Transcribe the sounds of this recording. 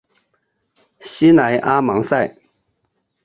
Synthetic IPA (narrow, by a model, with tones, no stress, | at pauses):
ɕi˥na˨˧˥jʔa˦ma˨˥˦ŋsa˥˩j